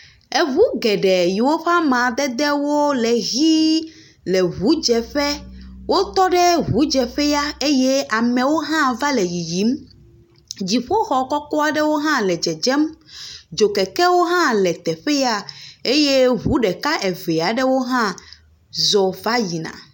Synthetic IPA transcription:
e˨βu˦ɡɛ˨ɖɛ˨ji˨wo˦ɸa˦mã˨d̪ɛ˦d̪ɛ˦wo˦lɛ˨ɣi˦ | lɛ˨ɦu˨˦d͡ʒɛ˨ɸɛ˦wʔo˦t̪ɔ˦ɖɛ˦ɦu˨˦d͡ʒɛ˨ɸɛ˦ja˦e˦je˦a˨mɛ̃˨wo˦ɦã˦va˦lɛ˨ji˨ji˨˦m | d͡ʑi˨ɸo˦xɔ˨kɔ˦kɔ˦a˨ɖɛ˦wo˦ɦã˦lɛ˨d͡ʒɛ˨d͡ʒɛ˦md͡ʒo˨kɛ˨kɛ˦wo˦ɦã˦lɛ˨t̪ɛ˨ɸɛ˦ja˦e˦je˦ɦu˨˦ɖɛ˨ka˦ʔɛ˨ve˨a˨ɖɛ˦wo˦ɦã˦ | zɔ˨va˦ji˨nã̰˨

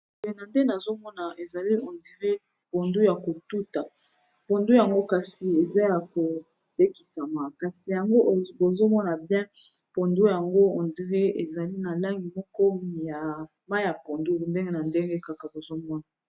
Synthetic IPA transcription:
e˨na˨nde˦na˨zo˦mɔ˦na˨ʔe˨za˨li˦ɔ˨ndi˨ʁe˦ | po˨ndu˦ja˨ko˨tu˦ta˨ | po˨ndu˦ja˨ŋɡo˦ka˨si˨e˨za˦ja˨ko˨ | te˦ki̥˨sa˨ma˨ka˨si˨ja˨ŋɡo˦ʔbo˨zo˦mɔ˦na˨bjɛ̃˦po˨ndu˦ja˨ŋɡo˦ɔ˨ndi˨ʁe˦e˨za˨li˦na˨la˦ŋɡi˨mɔ˦kɔ˦ja˨ | ma˦ja˨po˨ndu˦˨nde˦ŋɡe˦na˨nde˦ŋɡe˦ka˨ka˨bo˨zo˦mɔ˦na˨

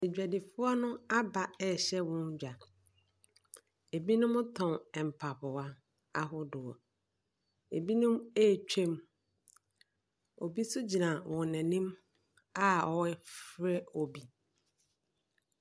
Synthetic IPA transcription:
e˨d͡ʑᶣæ˨dɪ˨fʊ˦ɔ˦nʊ̃˦a˦ba˨ɛ˦˨ɕɛ˦wɔ̃˦n˦d͡ʑᶣa˨ | e˨bi˦nʊ̃˦m˦tʰɔ̃˨nɛ˨m̩˨pʰa˨pʊ˨wa˦ | a̰˨ɦʊ˦dʊ˨ɔ̰˨ | e˨bi˦nʊ̃˦me˦˨t͡ɕᶣʰẽ˦m | o˨bi˦sʊ˦d͡ʑi˨nã˨wʔɔ̃˨nɛ̃˨nĩ˦m | a˦ɔ˨wɛ˦fɾɛ˦o˨bi˦

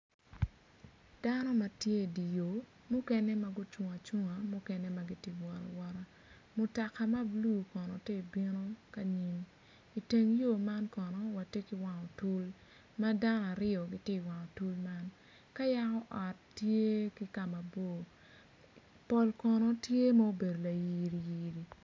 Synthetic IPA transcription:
d̥a˦nɔ˦ma˨tje˦˨di˨jo˨ | mʊ˦kɛ˦nɛ˦ma˨ɡʊ˦t͡ʃwʊ˨ŋa˨t͡ʃʊ˦ŋa˨mʊ˦kɛ˦nɛ˦ma˨ɡi˦ti˨wɔ˨ɾɔ̰˨wɔ˦ɾa˦ | mʊ˨ta˨ka˨ma˦blu˦˨kɔ˨nɔ˨te˦i˨bi˦no˦ka˦ɲi˨m | i˨te˨ŋjo˦˨ma˦nkɔ˨nɔ˨wa˨te˦ki˨˦wa˨ŋɔ˨tu˦l | ma˦da˦n˨a˨ɾɪɔ˨ɡi˦tɪ˦˨wa˨ŋɔ˨tu˦lma˦n | ka˦ja˦kɔ˦ʔɔ˨tː | je˦ki˦ka˨ma˨bo˦˨ | pɔ˨lkɔ˨nɔ˨tje˦ma˦o˦be˨do˨la˨ji˨ɾi˨ji˨ɾi˨

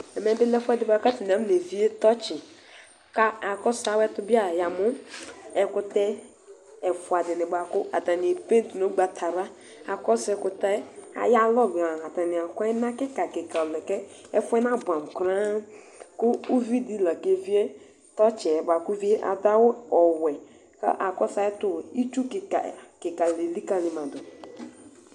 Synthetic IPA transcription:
ɛ˨mɛ˨˦bɪ˦lɛ˦fʷɛ˦dɪ˦ba˨˦ka˦ti˨a˦m˦ne˨vi˦e˦tɔ˦t͡ʃɪ˨ | ka˨kɔ˦sa˦wɛ˦tʊ˦bi˦a˦˨ja˨mʊ˦ɛ˨kʊ˦tɛ˦ | ɛ˨fʊ˨a˨dɪ˨nɪ˨ba˨kʊ˦a̰˨ta˨n˨e˨pẽ˦n˦tu˨no˦ɡ͡ba˨tʰa˨ɾa˦ | a˨kɔ˦sɛ˦kʊ˨ta˦a̰˨ja˦lɔ˦˨ba˨ha˨ta˨nɪ˨a˨kɔ˦ɛ˦na˦kɪ˦ka˨kɪ˨ka˨ɔ˨lɛ˨kɛ˦ | ɛ˦fʊ˦ɛ˦na˦˨bʷã˨m˨kɾa˦ | kʊ˦u˦vi˦di˦la˨ke˦vi˦ɛ˦ | tɔ˦t͡ʃɛ˨ɛ˨ba˨ku˦vi˦e˦ʔa̰˨da˦wʊ˦ɔ˨wɛ˨ | ka̰˦ʔa˨kɔ˦sa˦ɛ˦tʊ˦i˦t͡ʃu˦ka˨kɪ˨ka˨le˨li˦ka˨lɪ˨mã˨dʊ˨

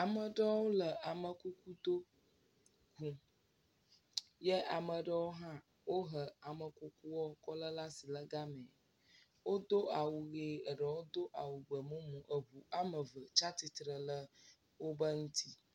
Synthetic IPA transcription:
a˨mə˨ɖə˦wo˦lə˨a˨mə˨ku˦ku˦d̪o˦ | ɡu˨ | jɛ˦ʔa˨mə˨ɖə˦wo˦ɦã˦ | wo˦ɦə˨a˨mə˨ku˦ku˦wɔ˦kɔ˦lə˦la˦si˨lə˦ɡa˦mɛ̃˨ | wo˦d̪o˦ʔa˨wu˨ɣe˨ə˨ɖə˨wo˦d̪o˦ʔa˨wu˨ɡ͡bə˨mũ˦mũ˨ʔə˨βu˨a˦mə˨və˨t͡ʃa˦t̪i˨t̪ɾə˨lə˦ | wo˦bə˦ŋũ˦t̪ʰi˦

